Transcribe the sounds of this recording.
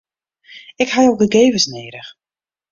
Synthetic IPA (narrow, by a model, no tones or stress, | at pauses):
ɪkhajok̚dəɡeːvəsneːɾəx